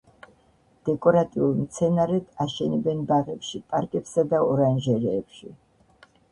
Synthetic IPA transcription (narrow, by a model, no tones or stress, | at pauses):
d̪̥ɛkʼɔɾat̪ʼiulˠmt̪sʰɛnaɾɛd̪̥aʃɛnɛbɛnbaʁɛpʃipʼaɾkʼɛpsad̪aɔɾanʒɛɾɛːpʃi